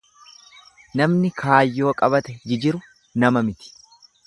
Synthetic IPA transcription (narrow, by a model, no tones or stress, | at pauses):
nɐmnɪkʰaːjːo̞ːkʼɐβɐt̪ɛd͡ʒɪd͡ʒɪɾʊ | nɐmɐmɪt̪ɪ̥